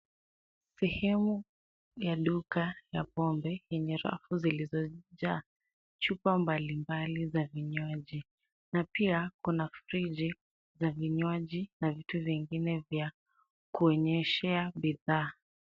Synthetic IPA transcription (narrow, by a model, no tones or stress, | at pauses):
sɛhɛmu | jaɗukajapɔmbɛjɛɲɛɾa̰fuzilizɔʄaː | t͡ʃupambalimbalizaviɲwaʄi | napiakunafɾid͡ʒi | zaviɲwaʄinavituviŋɡinɛvja | kuɔɲɛʃɛaɓiðaː